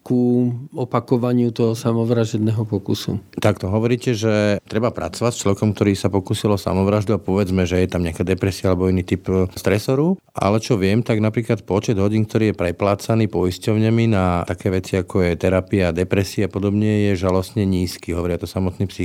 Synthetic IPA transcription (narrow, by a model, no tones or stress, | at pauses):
kuɔpakɔʋaɲɪut̪ɔɦɔsamɔʋɾaʒɛd̪nɛɦɔpɔkusṵt̪akt̪ɔɦɔʋɔɾiːcɛʒɛt̪ɾɛbapɾa̰t͡sɔʋacst͡ʃlɔʋɛkɔmkt̪ɔɾiːsapɔkuːsilɔsa̰mɔʋɾaʒd̪uapɔʋɛd͡zmɛʒɛjɛt̪amɲɛakaːd̪ɛpɾɛsiaalɛbɔiniːt̪ipst̪ɾɛsɔɾu | ʔa̰lɛt͡ʃɔʋɪɛmt̪aɡnapɾiːklat̪̚pɔt͡ʃɛd̪ɦɔɟiːŋk̚t̪ɔɾiːjɛpɾɛplaːt͡saniːpɔiscɔʊɲɛminaakɛːʋɛt͡siakʰɔjɛt̪ɛɾapiad̪ɛpɾɛsiɛapɔd̪ɔbɲɛjɛʒalɔst̪ɲɛɲiːskiːɦɔʋɔɾɪat̪ɔsamɔt̪niːpsi